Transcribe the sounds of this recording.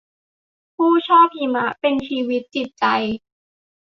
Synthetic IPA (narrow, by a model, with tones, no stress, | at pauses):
pʰuː˥˩t͡ɕʰɔː˥˩p̚iː˧ma˦˥ʔpe˧nt͡ɕʰiː˧wi˦˥t̪̚t͡ɕi˨˩t̪̚t͡ɕa˧j